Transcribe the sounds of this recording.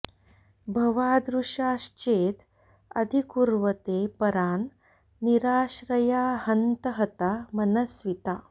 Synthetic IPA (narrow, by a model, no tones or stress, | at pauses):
bʱɐʋaːd̪ɾuʂaːʃt͡ʃeːt̪ | ɐ̰d̪ʱikuɾʋɐt̪epɐɾaːnː | iɾaːʃɾɐjaːhɐnt̪əɦɐt̪amɐnɐsʋit̪aː